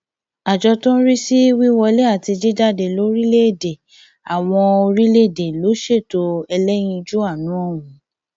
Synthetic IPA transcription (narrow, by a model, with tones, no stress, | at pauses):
a˨d͡ʒɔ˧tɔ̃˦ɾi˦si˦wi˦wɔ˧le˦a˦˨ti˧d͡ʒi˦da˦˨de˨lo˦ɾi˦le˦e˦˨de˨ | a˨w̃ɔ̃˧o˧ɾi˦le˦˨de˨lo˨˦ʃe˦˨to˨˦ɛ˧lɛ˦j̃ĩ˧d͡ʒu˦a˦˨nũ˨˦ɔ˦˨wũ˨˦